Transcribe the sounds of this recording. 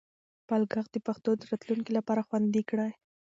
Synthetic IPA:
palɡaɣd̪əpaxt̪od̪əɾɑt̪luŋkilapɑɾaxwand̪ikɽaj

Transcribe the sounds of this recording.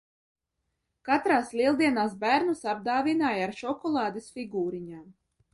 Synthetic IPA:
kat̪ɾaːslʲiɛlˠd̪iɛnaːsbæɾnusab̚d̪aːvinaːjaɾʃɔkɔlˠɑːd̪esfʲiɡuːɾiɲaːm

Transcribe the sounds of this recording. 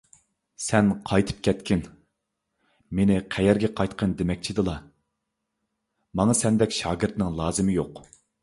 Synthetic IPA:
sɛnqʰɑjt̪ʰɨ̥p̚kʲʰɛt̪kʲɪn | menɪqʰæjɛɾɡʲɛqʰɑjt̪qʰənd̪emɛk̚ʲt͡ʃʰid̪ɨlˠɑ | mɑŋɑsɛnd̪ɛkʲʃɑːɡɨɾt̪nɪŋlˠɑːzɨmɪjoq

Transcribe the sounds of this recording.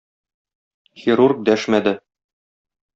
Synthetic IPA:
xʲiɾurk̚d̪æʃmæd̪ɘ

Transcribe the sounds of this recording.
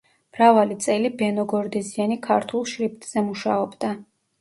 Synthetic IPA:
mɾavalit̪sʼɛlibɛnɔɡɔɾd̪ɛzianikʰaɾt̪ʰulˠʃɾip̚t̪ʼz̥ɛmuʃaɔbd̪a

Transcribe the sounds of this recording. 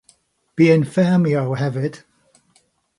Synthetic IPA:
b̥iɪ̃nfɛːmioʊhɛvɪd̥

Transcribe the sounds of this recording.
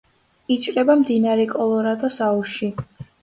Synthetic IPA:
it͡ʃʼɾɛbamd̪inaɾɛkʼɔlˠɔɾad̪asauʃi

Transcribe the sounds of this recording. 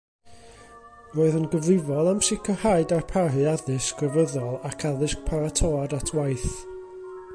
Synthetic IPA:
roːɨðənɡəvlɪvɔlˠamsɪkʰɔhaɨdarpʰarɨaðɨskʰrəvəðɔlˠakʰaðɨsk̚pʰaɾatʰɔadatʰwajθ

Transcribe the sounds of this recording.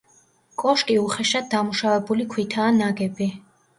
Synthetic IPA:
kʼɔʃkʼiuχɛʃad̪̚d̪amuʃavɛbulikʰwit̪ʰaːnaɡɛbi

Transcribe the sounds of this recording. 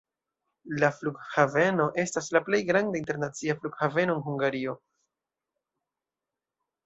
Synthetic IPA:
lafluɡhave̞no̞ʔe̞staslaple̞jɡɾandainte̞ɾnat͡siafluɡhave̞no̞enɦuŋɡaɾio̞

